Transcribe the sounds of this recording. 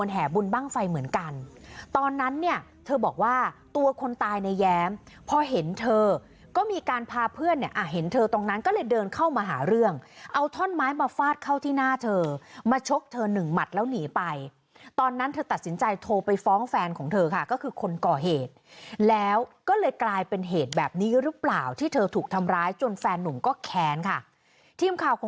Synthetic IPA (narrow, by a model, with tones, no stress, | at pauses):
ənɦɛː˩bu˧nbaː˥˩ŋfa˧jmɯ˩˦ənka˧nt̪ɔː˧nːa˦˥nːi˥˩ət̪ʰɤː˧bɔː˨˩k̚waː˥˩t̪u˧ɐkʰo˧nt̪aː˧jna˧jːɛː˦˥m | pʰɔː˧ɦe˨˩˦nt̪ʰɤː˧ | kɔː˥˩miː˧kaː˧npʰaː˧pʰɯ˥˩ənːi˥˩ʔa˨˩ɦe˩˦nt̪ʰɤː˧t̪o˧ŋna˦˥nkɔ˥˩lɤː˧jdɤː˧nkʰa˥˩wmaː˧ɦa̰ː˩˦ɾɯ˥˩əŋʔa˧wt̪ʰɔ˥˩nmaː˦˥jmaː˧faː˥˩t̪̚kʰa˥˩wt̪ʰiː˥˩naː˥˩t̪ʰɤː˧maː˧t͡ɕʰo˦˥k̚t̪ʰɤː˧nɯ˨˩ŋma˨˩t̪̚lɛː˦˥wniː˩˦pa˧j | t̪ɔː˧nːa˦˥nt̪ʰɤː˧t̪a˨˩t̪̚si˩˦nt͡ɕa˧jt̪ʰoː˧pa˧jfɔː˦˥ŋfɛː˧nkʰɔː˩˦ŋt̪ʰɤː˧kʰa˥˩kɔː˥˩kʰɯː˧kʰo˧nkɔː˨˩ɦeː˨˩t̪̚lɛː˦˥wkɔː˥˩lɤː˧jklaː˧jpe˧nɦeː˨˩t̪̚bɛː˨˩p̚niː˦˥ɾɯ˦˥plaː˨˩wt̪ʰiː˥˩t̪ʰɤː˧t̪ʰuː˨˩k̚t̪ʰa˧mɾaː˦˥jt͡ɕo˧nfɛː˧nːu˨˩˦ŋkɔː˥˩kʰɛː˧nkʰa˥˩ | t̪ʰiː˧˩mkʰaː˨˩wkʰː